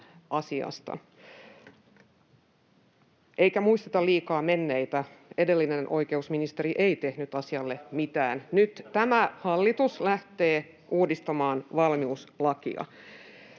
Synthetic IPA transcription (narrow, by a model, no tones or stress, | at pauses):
ʔɑsiɑ̰st̪ɑ̰ | ʔeikæmuist̪et̪ɑliːkɑːme̞nːeit̪æe̞delːinenʔo̞ike̞usminist̪e̞ɾiʔeit̪e̞hnyt̪ɑsiɑlːe̞mit̪æːnnyt̪t̪æmæhɑlːit̪uslæht̪eː | ʔuːdist̪ɑmɑːnʋɑlmiuslɑkḭɑ̰